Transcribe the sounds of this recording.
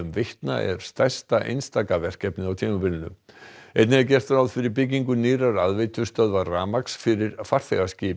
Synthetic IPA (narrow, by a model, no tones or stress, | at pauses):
ʏmvɪht̪na̰ʔɛ̰ɾ̥st̪ajst̪aʔḛjnst̪aːkavɛr̥cɛpnɪawt̪ʰiːmapɪlɪnʏ̰ejt̪nɪac̬ɛr̥t̪ʏɾawðfɪɾɪɾp̬ɪc̬ːiŋkʏniːɾaɾaðvejt̪ʰʏst̪œðvaraːmaksfɪɾɪɾ̥far̥θɛɣascɪː